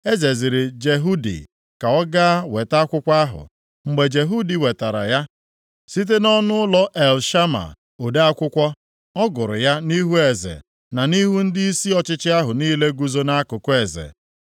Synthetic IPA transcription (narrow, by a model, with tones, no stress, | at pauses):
e˦ze˨zɪ˨ɾɪ˨d͡ʒe˨ɦu˦dḭ˨ | ka˨ɔ˦ɡa˦a˦we˨ta˦a˦kʷʊ˦kʷa˦ɦʊ̰˨ | ŋ͡m̩˨ɡ͡be˨d͡ʒe˨ɦu˦di˨we˨ta˨ɾa̰˨ja˦ | si˦t̬e˦nɔ˦nʊ˦lɔ˦ʔe˨lʃa˦ma̰˨ | o˨de˦a˦kʷʊ˦kʷɔ˦ | ɔ˦ɡʊ˨ɾʊ̰˨ja˦ni˦ɦu˦e˨zḛ˨ | na˨ni˦ɦu˦n̩˦dɪ˦i˦si˦ɔ˨t͡ʃɪ˦t͡ʃɪ˦a˦ɦʊ˨niː˦le˦ɡu˨zo˦na˦a˦kʊ˨kʊ˦e˨zḛ˨